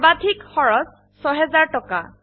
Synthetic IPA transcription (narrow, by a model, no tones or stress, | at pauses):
badʱikxɔɹɔs | sɔɦɛzaɹtɔka̰